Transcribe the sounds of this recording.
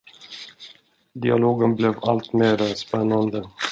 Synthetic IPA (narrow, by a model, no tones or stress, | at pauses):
d̪ɪa̰loːɡənblɛvalt̪meːɾaspɛnːand̪ə